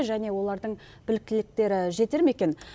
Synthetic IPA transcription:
ʒæne̞wo̞lˠɑɾd̪əɴ | b̥ɪlɪk̚t̪ɪlɪk̚t̪e̞ɾɪʒe̞t̪e̞ɾme̞kʲe̞n

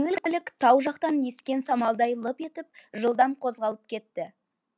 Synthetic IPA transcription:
ŋɪlk̪ʲɪlɪkt̪ʰɑwʒɑqt̪ɑnje̞skʲe̞nsɑmɑlˠd̪ɑjlˠəpe̞t̪ɪp̚ʒəlˠd̪ɑmqʰo̞zʁɑlˠəp̚kʲʰe̞t̪ːɪ

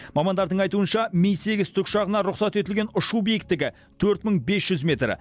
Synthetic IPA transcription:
mɑmɑnd̪ɑɾd̪əɴɑjt̪uənʃɑmijse̞ɡʲɪzt̪ʰʏkʃɑʁənɑɾʊqsɑt̪et̪ɪlɡʲe̞nʊʃubijɪk̚t̪ːɪɡʲɪ | t̪ʰɵɾt̪məɴbe̞sʒ̥ʏzmʲe̞t̪ɾɪ̰

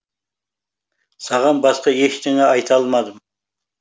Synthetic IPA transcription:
sɑʁɑnbɑsqɑjeʃt̪ʰɪŋɛɑjt̪ʰɑlˠmɑd̪əm

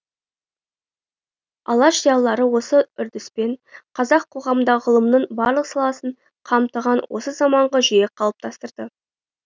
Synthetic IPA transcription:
ɑ̰lˠɑʃijɑlˠːɑɾəwo̞səʏɾd̪ɪspe̞ɴqʰɑzɑqʰːo̞ʁɑmənd̪ɑʁəlˠəmnəɴbɑɾlˠəqsɑlˠɑsəɴ | qʰɑmt̪əʁɑnwʔo̞̰səzɑmɑɴʁɑʒijeqʰɑlˠəp̚t̪ʰɑst̪əɾd̪ə

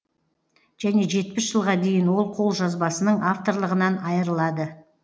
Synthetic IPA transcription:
ʒ̥æne̞ʒe̞t̪̚pɪʃʒ̥əlˠʁɑd̪e̞jɪnwo̞lˠqʰo̞lˠʒɑzbɑsənəɴaft̪o̞ɾlˠəʁənɑnɑjəɾəlˠɑd̪ə

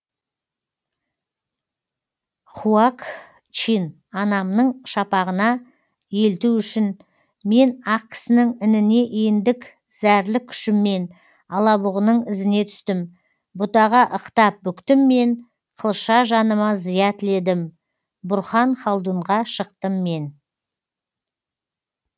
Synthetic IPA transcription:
χuɑk | t͡ʃin | ɑnɑmnəɴʃɑpɑʁənɑ | je̞lt̪uʏʃɪn | me̞nɑq̚kʲʰɪ̥sɪnɪŋɪnɪne̞ʔend̪ɪk | zæɾlɪkʲʰʏ̥ʃɪmːe̞n | ɑlˠɑbʊʁənəɴɪzɪne̞t̪ʰʏ̥st̪ɪm | bʊt̪ɑʁɑʔəqt̪ɑp̚bʏkt̪ɪmːe̞n | qʰəlˠʃɑʒɑnəmɑzijɑt̪ʰɪle̞d̪ɪm | bʊɾχɑɴχɑlˠd̪uɴʁɑʃəq̚t̪əmːe̞n

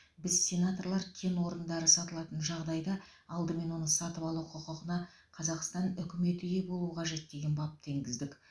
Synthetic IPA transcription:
bɪz̥sʲe̞nat̪o̞rlˠɑɾkʲʰe̞nwo̞ɾənd̪ɑɾəsɑt̪əlˠɑt̪ənʒɑʁd̪ɑjd̪ɑ | ɑlˠd̪əme̞nwo̞nəsɑt̪əpɑlˠuwqʰʊqəqənɑ | qʰɑzɑqst̪ɑnʏkʲɪme̞t̪ʏje̞bo̞lˠuəqʰɑʒe̞t̪̚d̪e̞ɡʲe̞nbɑp̚t̪ʰe̞ŋɡʲɪzd̪ɪkʲ

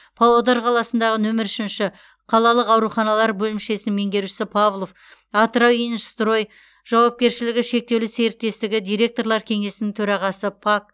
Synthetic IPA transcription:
pʰolˠod̪ɑɾqʰɑlˠɑsənd̪ɑʁənɵmɪɾʏʃɪnʃɪ | qʰɑlˠɑlˠəqɑwɾuχɑnɑlˠɑɾbɵlɪmʃe̞sɪme̞ŋɡʲe̞ɾʃɪ̥sɪpʰavlˠo̞f | ɑt̪rowinst̪ro̞j | ʒ̥ɑwɑp̚kʲe̞ɾʃɪlɪɡʲɪʃe̞k̚t̪e̞wlɪse̞ɾɪt̪ːe̞st̪ɪɡʲɪd̪ijɾe̞k̚t̪o̞ɾlˠɑɾkʲʰe̞ŋe̞sɪnɪŋt̪ʰɵɾɑʁɑsəpʰak̚

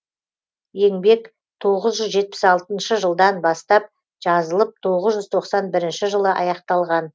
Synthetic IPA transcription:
je̞ŋbe̞k | t̪ʰo̞ʁəzʒʏzʒe̞t̪̚pɪ̥sɑlˠt̪ənʃəʒəlˠd̪ɑnbɑst̪ɑp̚ | ʒ̥ɑzəlˠəp̚t̪ʰo̞ʁəzʒʏzt̪ʰo̞qsɑnbɪɾɪnʃɪʒəlˠəʔɑ̰jɑqt̪ɑlˠʁɑn

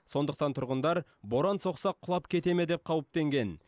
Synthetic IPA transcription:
so̞nd̪əq̚t̪ɑnt̪ʰʊɾʁənd̪ɑɾbo̞ɾɑnso̞qsɑqʰːʊlˠɑpkʲʰe̞t̪e̞me̞d̪e̞p̚qʰɑwəp̚t̪e̞ŋɡʲe̞n

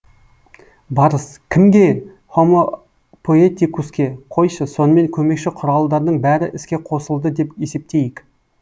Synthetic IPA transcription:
bɑɾəskʲʰɪmɡʲe̞ | χo̞mo | pʰoet̪ikuskʲe̞qʰo̞jʃəso̞nəme̞ŋkʲʰɵme̞kʃɪqʰʊɾɑlˠd̪ɑɾd̪əɴbæɾɪʔɪskʲe̞qʰo̞səlˠd̪əd̪e̞pe̞se̞p̚t̪e̞jɪk

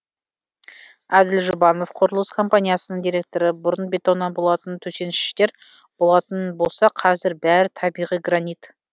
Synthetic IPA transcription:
æd̪ɪlʒʊbɑno̞fqʰo̞ɾəlˠəskʰo̞mpanʲijasənəɴd̪ʲijɾe̞k̚t̪o̞ɾəbʊɾənbe̞t̪ownːɑnbo̞lˠɑt̪ənt̪ʰɵse̞nɪʃɪ̥ʃt̪e̞ɾ | b̥o̞lˠɑt̪ənbo̞lˠsɑqʰɑzɪɾbæɾɪt̪ʰɑbijʁijɡranit̪

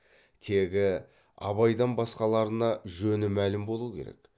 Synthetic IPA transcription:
t̪ʰe̞ɡʲɪ | ɑ̰βɑjd̪əɴbɑsqɑlˠɑɾənɑʒɵnɪmælɪmbo̞lˠukʲʰe̞ɾe̞̰k

